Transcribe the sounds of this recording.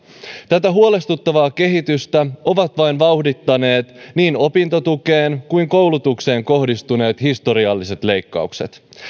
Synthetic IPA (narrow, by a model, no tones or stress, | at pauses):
t̪æt̪æɦuo̞le̞st̪ut̪ːɑʋɑːke̞ɦit̪yst̪æo̞ʋɑt̪ʋɑjnʋɑwhdit̪ːɑne̞ːt̪niːno̞pint̪o̞t̪uke̞ːnkujŋko̞wlut̪ukse̞ːŋko̞hdist̪une̞ːt̪hist̪o̞ɾiɑlːise̞t̪le̞jkːɑ̰ukse̞t̪